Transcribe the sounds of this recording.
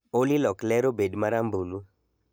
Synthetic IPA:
olilɔklɛɾobeɖmaɾambulu

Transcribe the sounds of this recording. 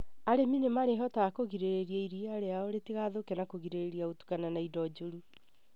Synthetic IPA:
aɾeminemaɾeɦɔtaːkoɣiɾeɾeɾiaiɾiaɾeaɔɾetiɣaðokɛnakoɣiɾeɾeɾiaotu̥kananaidɔd͡ʒoɾu

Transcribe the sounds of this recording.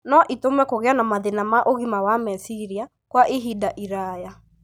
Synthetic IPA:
nɔʔitomɛkoɣeanamaðenamaʔoɣimawamɛsiɾia | kwaʔeɦidaʔiɾaja

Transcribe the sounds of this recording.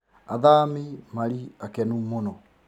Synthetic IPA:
aðamemaɾiakɛnumonɔ

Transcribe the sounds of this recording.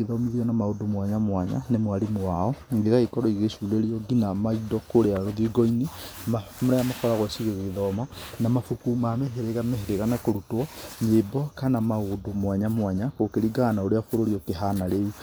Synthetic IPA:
eðɔmiðiɔnamaodomwaɲamwaɲa̰nemwaɾimoaɔŋɡeɣaikɔɾɔiɣesuuleɾiɔɡinamaidɔkoɾeaɾoðiɡɔinea | moɾajamakɔɾaɣɛsiɣeɣeðɔmanamafukumamɛɦeɾeɣamɛheɾeɣanakoɾutwɔɲebɔkanamaodomwaɲamwaɲakokeɾiɡaːnaoɾeafoɾoɾiɔkeɦanaɾeu

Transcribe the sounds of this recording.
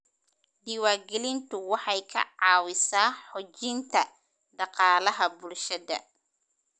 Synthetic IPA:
d̪iwaːrɡɛlɪnt̪ʰʊwɑħɑjkʰɐ̰ʕɑːwɪsaːħɔd͡ʒɪnt̪ʰɐ | ɖɑqɑːlɐɦɐbʊlʃɐðɐ̰

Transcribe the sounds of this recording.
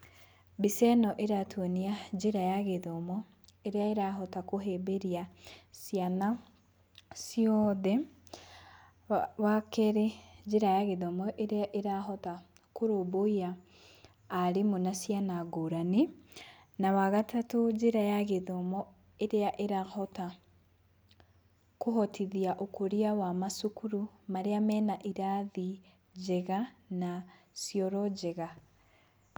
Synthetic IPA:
bisɛnɔʔeɾatʰwɔniad͡ʒeɾajaɣeðɔmɔ | eɾeaeɾaɦɔtakoɦebeɾiasiana | siɔðɛ | wakɛɾed͡ʒeɾajaɣeðɔmɔʔeɾeaʔeɾaɦɔta | koɾoboiaː | ɾemonasijanaɡoɾane | nawaɣatatod͡ʑeɾajaɣeðɔmɔ | eɾeaʔeɾahɔta | koɦɔtʰiðiaʔokoɾiawamasukuɾumaɾeamɛːnaʔiɾaði | d͡ʑɛɣana | sjɔɾɔd͡ʑɛɣa

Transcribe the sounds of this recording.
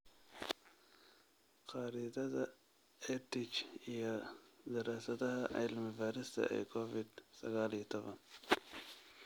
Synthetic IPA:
qɑːɾiðɐðɐ | ɛt̪ɪkʰijɔd̪ɐɾaːsɐðɐhɐʔa̰jlmɪbaːɾɪst̪ʰɐ̰ʔɛ̰kʰɔvɪd̪sɐ̰ɣaːlit̪ʰɔβɐn

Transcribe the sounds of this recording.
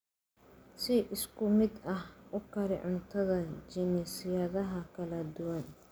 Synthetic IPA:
sɪʔɪskʰʊmɪd̪ɐhʔʊkʰɐɾɪʕʊnt̪ʰɐðɐt͡ʃɪnɛsijɐðɐɦɐkʰɐlɐd̪ʊwɐn

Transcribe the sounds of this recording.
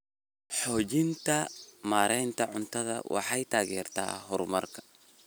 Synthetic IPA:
ħɔːt͡ʃɪnt̪ʰɐmaːɾɛjnt̪ʰɐʕʊnt̪ʰɐðɐ̰wʔɑ̰ħɑjt̪ʰaːɣɛːrt̪ʰa̰ːɦɔrmɐrkʰɐ̥

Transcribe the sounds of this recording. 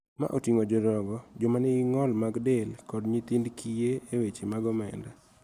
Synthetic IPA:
ma̰ʔotiŋod͡ʒɔɾɔɡɔd͡ʒɔmanɪɡɪŋɔlmaɡdelkɔdɲit̪indkʰijeewet͡ʃemaɡɔmɛ̰nda

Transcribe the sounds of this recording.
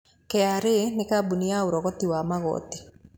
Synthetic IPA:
kɛaɾenɪkabuniaoɾɔɣɔtiwamaɣɔ̰t̪i

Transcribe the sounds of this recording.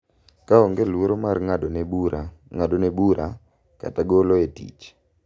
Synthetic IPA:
kaɔŋɡelwoɾomarŋadonebuɾaŋadonebuɾʔa | ka̰taɡoloetḭt͡ʃ

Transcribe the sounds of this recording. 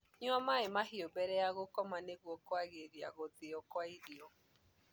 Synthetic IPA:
ɲɔmaemaɦiobɛɾɛjaɣokɔmaneɣwɔkwaɣeɾia̰ɣoðeɔkwaiɾiɔ

